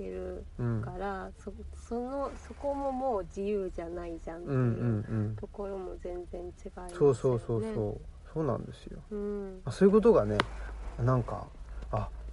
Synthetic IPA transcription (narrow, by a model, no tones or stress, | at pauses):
t̪e̞ɾɯ̟ɯ̟̃ɴkaɾasosonoso̞ko̞mo̞mo̞ːd͡ʑijɯːʑanaid͡ʑãnɯ̟̃ẽɴɯɯ̟̃ɴɯ̟̃ɴt̪o̞ko̞ɾo̞mo̞zẽ̞nd͡zẽ̞ɲ̟t͡ɕiɡaiso̞ːso̞ːso̞ːsoːso̞ːnã̰nd̪e̞sɨjo̞̰ɯ̃masoːjɯ̟ko̞t̪o̞ɡane̞nãŋka̰ː